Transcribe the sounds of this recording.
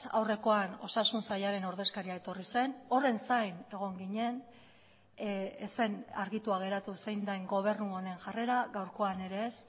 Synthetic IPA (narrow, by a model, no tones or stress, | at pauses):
a̰wre̞ko̞ano̞̰sasunsajaɾe̞no̞ɾðe̞skaɾiae̞t̪o̞rise̞no̞re̞nsajne̞ɣ̞o̞ŋɡiɲe̞n | ese̞naɾɣit̪uaɣ̞e̞ɾat̪usejnd̪ajŋɡo̞β̞e̞ɾnuone̞ŋʝare̞ɾaɣawɾko̞ane̞ɾe̞ːs